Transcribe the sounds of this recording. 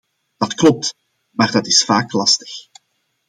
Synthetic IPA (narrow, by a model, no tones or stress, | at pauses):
d̥ɑtklɔp̚t | maːrdɑtɪsfaːklɑstə̥x